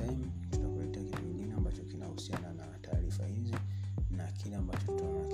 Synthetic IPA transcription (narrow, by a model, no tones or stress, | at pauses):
aim | zinakulɛtɛakitukiŋɡinɛambat͡ʃɔkinahusiananataːɾifa̰hizinakilɛambat͡ʃɔtunaɔnak